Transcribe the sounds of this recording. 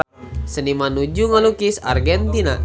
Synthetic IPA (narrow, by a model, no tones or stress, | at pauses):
sənimanud͡ʒuŋalukisa̰rɡɛnt̪ina̰